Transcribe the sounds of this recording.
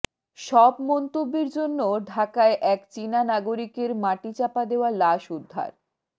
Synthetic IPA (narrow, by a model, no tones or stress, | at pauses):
ʃɔbmɔnt̪obːeɾd͡ʑonːoɖʱakaeʔɛkt͡ɕinanaɡoɾikeɾmaʈit͡ɕapad̪eoalaʃud̪ʱːa̰ɾ